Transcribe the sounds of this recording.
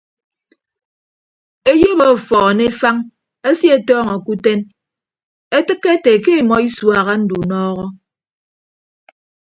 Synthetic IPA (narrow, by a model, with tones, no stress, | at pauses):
e˦jo˦bo˨fɔː˨ne˦fa˦ŋ | e˦sje˦˨tɔː˦ŋɔ˨ku˦te˦n | e˦tɨ˦kːe˦te˨ke˦˨mɔ˨i˦swa˨ɣa˦n̩˦du˨nɔː˦ɣɔ˦